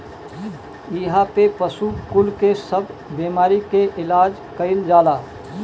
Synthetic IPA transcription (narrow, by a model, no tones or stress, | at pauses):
iɦapepəsukʊlkesəbbeːmaːɾikeʔɪlaːd͡ʒ | kəɪld͡ʒaːlaː